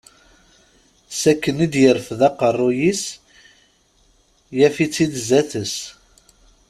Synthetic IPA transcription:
sækːənid̪jəɾfðɑqərˤːʊjis | jæfit͡sːid̪zæθəs

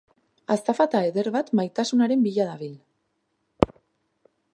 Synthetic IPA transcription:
ast̪afat̪aeðeɾβat̪majt̪asunaɾe̞mbiʎaðaβ̞il

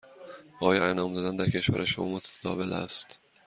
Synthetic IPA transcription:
ʔɒːjɒːænɒːmd̪ɒːd̪ænd̪æɾcʰe̞ʃvæ̰ɾʔæʃouːmot̪ʰæ̥æd̪ɒ̰ːve̞læ̰st̪

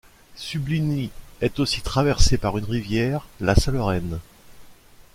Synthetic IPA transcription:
sybliniɛt̪osit̪χavɛʁsepaʁynʁivjɛːʁlasalɔʁɛn

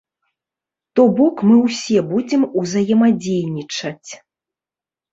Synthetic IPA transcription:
t̪ɔbɔkmɨwsʲɛbud͡zʲɛmuzɐjɛmad͡zʲejnʲit͡ʂɐt͡sʲ

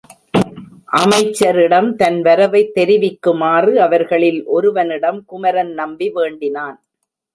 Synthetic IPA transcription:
ʔɐmɐɪt͡ʃːɐɾɪɽɐmt̪ɐnʋɐɾɐʋɐɪt̪ːɛɾɪʋɪkːɯmaːrɯɐʋɐɾɣɐɭɪlʔɔɾɯʋɐnɪɽɐmkʊmɐɾɐnnɐmbiʋeːɳɖɪnaːn

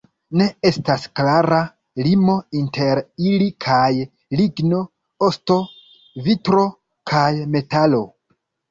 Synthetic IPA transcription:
ne̞e̞stasklaɾa | limo̞inte̞ɾilikʰaj | liɡno̞ | osto̞ | vitɾo̞ | kʰajme̞talo̞

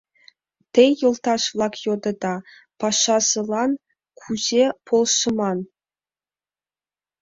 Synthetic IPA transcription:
t̪ʲejːɤ̆lˠt̪ɑʂvlˠɑkjod̪ɤ̆d̪ɑ | pɑʂːɑsɤ̆lˠɑn | kʰuʑepʰolˠʃɤ̆mɑn

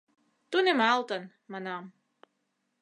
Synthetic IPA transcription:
t̪unʲɛmalˠt̪an | mana

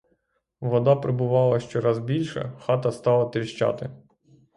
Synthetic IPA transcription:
ʋɔd̪ɑpɾɪbʊʋɑlˠɐʃt͡ʃɔɾɑzbʲilʲʃɛ̰xɑt̪ɐst̪ɑlˠɐt̪ɾʲiʃt͡ʃɑ̰t̪ɪ

